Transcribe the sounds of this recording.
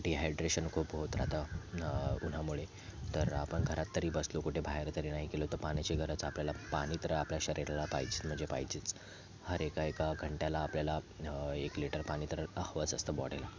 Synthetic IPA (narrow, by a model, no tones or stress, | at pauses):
kʈiːɦajɖɾeɕənkʰuːpɦot̪ɾa̰t̪a | un̤amuɭe | t̪əɾapəɳɡʱəɾat̪ːəɾiːbəslokuʈʰebʱaɦeɾt̪əɾinaɦikelot̪əpañat͡ɕeɡʱəɾət͡sapljalapaɽ̃iːt̪əɾəapljaɕəɾiɾalapa̰jd͡ʑiːt͡sm̤əɳd͡zepa̰it͡ɕiːt͡s | həɾekaekaɡʱəɳʈjalaːpljalaekliʈəɾpaɽ̃iːt̪əɾəəhʋət͡səst̪əbɔɽ̤ela